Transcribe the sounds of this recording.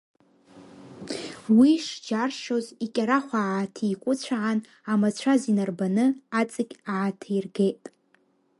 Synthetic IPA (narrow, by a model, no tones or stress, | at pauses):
wiʂd͡ʒarʃozikʲʼaɾaχʷaatʰikʷʼʊt͡ɕʷʰaʕan | amat͡ɕʷʰazinarbanɨat͡sʼɨɡʲaʕatʰairɡe̞jtʼ